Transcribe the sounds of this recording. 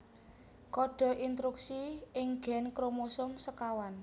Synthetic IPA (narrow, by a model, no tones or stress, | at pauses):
kɔɖ̥ɔ̤ʔint̪ɾuksiɪŋɡ̥ɛ̤nkɾomosʊmsəkawan